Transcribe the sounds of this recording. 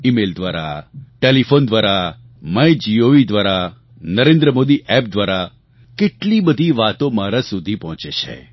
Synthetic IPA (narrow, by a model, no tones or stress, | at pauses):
imeld̪ʋaɾa̰ʈelifond̪ʋaɾa | majd͡ʒioʋid̪ʋaɾa | nəɾẽnd̪ɾəmod̪iʔɛp̚d̪ʋaɾa | keʈlibəd̪ʱiʋat̪omaɾasud̪ʱipɔɦɔ̃t͡ʃet͡ʃʰḛ